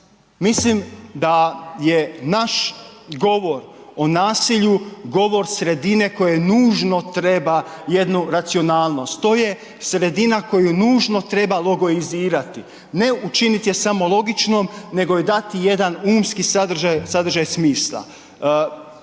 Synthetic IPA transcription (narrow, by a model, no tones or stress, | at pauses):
mislimd̪aje̞naʃɡo̞ʋo̞ɾo̞naːsiʎuɡo̞ʋo̞ɾsɾe̞d̪ine̞ko̞je̞nuːʒno̞t̪ɾe̞baje̞d̪nuɾat̪sio̞naːlˠno̞st̪t̪ːo̞ːje̞ | sɾe̞d̪inako̞junuːʒno̞t̪ɾe̞balˠo̞ɡo̞iziːɾat̪i | ne̞ut͡ʃinit̪je̞samo̞lˠo̞ɡit͡ʃno̞mne̞ɡo̞jed̪at̪ije̞d̪anuːmskisad̪ɾʒajsad̪ɾ̩ʒajsmiːslˠa̰